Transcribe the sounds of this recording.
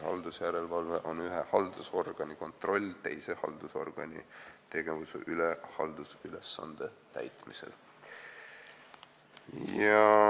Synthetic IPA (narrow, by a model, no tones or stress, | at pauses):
hɑ̰ld̪usjæɾe̞lvɑlveʔo̞nyɦehɑld̪̥uso̞rɡ̥ɑnʲiko̞nt̪ˑro̞lʲːt̪e̞̰jsehɑ̰ld̪uso̞̰rɡ̥ɑnʲḭt̪e̞ɡ̥e̞vusḛʔylehɑ̰ld̪̥usylesːɑ̰nd̪̥et̪æ̰jt̪ˑmisḛl | ɑ